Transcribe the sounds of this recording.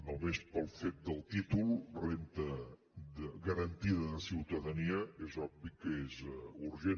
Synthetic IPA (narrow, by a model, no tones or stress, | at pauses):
nomespəlˠfet̪̚d̪əlˠt̪it̪ulˠrent̪ə | d̪əɣəɾənt̪iðəðəsiwt̪əðəniəezɔbbikːəezuɾʒe